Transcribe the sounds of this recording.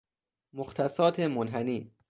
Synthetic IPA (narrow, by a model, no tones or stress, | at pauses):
moxt̪ʰæsɒːt̪ʰemonɦæniː